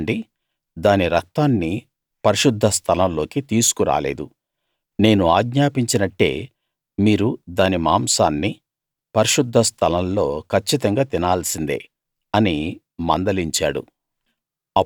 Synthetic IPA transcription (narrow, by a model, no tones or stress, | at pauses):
ɳɖi | d̪aːniɾɐk̚t̪aːnːi | pɐɾiʃud̪ʱːɐst̪ʰɐlɐnlo̞ːkit̪iːsu̥kuɾa̰ːle̞̰ːd̪u | ne̞ːnuaːɡɲaːpiɲt͡ʃinɐʈːe̞̰ː | miːɾud̪aːnimaːmsaːnːi | pɐɾiʃud̪ʱːɐst̪ʰɐlɐnllːo̞ːkʰɐt͡ʃːit̪ɐŋɡaːt̪inaːlsind̪ḛ | ɐni | mɐ̰nd̪ɐliɲt͡ʃa̰ːɽṵ | ɐ